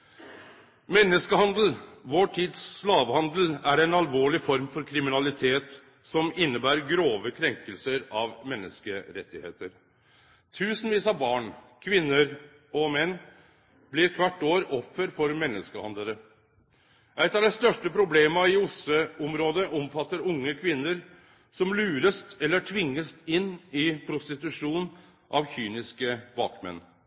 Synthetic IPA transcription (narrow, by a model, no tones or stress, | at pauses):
mɛnːəskəhɑnd̪əl̩ʋoːʈʰiːd̪sːlɑːʋhɑnd̪l̩æɾæɪnɑlʋoːɭɪfɔɾmfɔɾkʰɾɪmɪnɑlɪt̪ʰeːt̪ | sɔmɪnːəbæːɾɡɾoːʋəkʰɾɛŋkəlsəɾɑʋmɛnːəskəɾɛt̪ːɪhḛːt̪əɾ | t̪ʰʉːsənʋiːsɑbɑːɳkʰʋɪnːəɾ | ɔmɛnː | blɪɾkʰʋæʈːoːɾɔfːəɾfɔɾmɛnːəskəhɑnd̪ləɾə | ʔæɪt̪ɑʋd̪ɛst̪œʂʈəpʰɾʊbleːməɪʊsøɔmɾoːd̪əʔɔmfɑt̪ːəɾʊŋːəkʰʋɪnːəɾ | sɔmlʉːɾəst̪ɛlːəʈʰʋɪŋːəst̪ɪnːɪpʰɾʊst̪ɪt̪ʉʂuːn | ʔɑʋçyːnɪskəbɑ̰ːkmɛ̰nː